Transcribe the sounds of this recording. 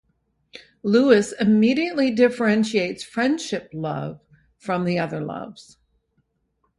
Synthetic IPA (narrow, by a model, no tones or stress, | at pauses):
luɨsɨmiɾiɨʔˡlidɪfə˞ɛ̃nʃieɪtsfɹɛ̃nd̥ʃɪp̚lʌ̰v̥ | fɹʌ̃mðiʌðə˞lʌ̰vz̥